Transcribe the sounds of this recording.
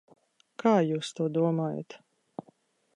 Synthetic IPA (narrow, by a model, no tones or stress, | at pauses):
kʰaːjuːst̪uɔd̪uɔmaːja̰t̪